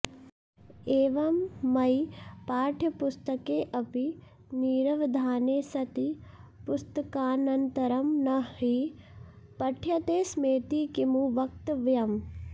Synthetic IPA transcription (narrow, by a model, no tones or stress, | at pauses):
eːʋɐmːɐjpaːʈʰɐpʊst̪ɐkeːʔɐpi | niːɾɐʋd̪ʱaːneːsɐt̪ipʊst̪ɐkaːnɐnt̪ɐɾɐmnɐɦi | pɐʈʰjɐt̪eːsmeːt̪ikimuʋɐk̚t̪ʋjɐm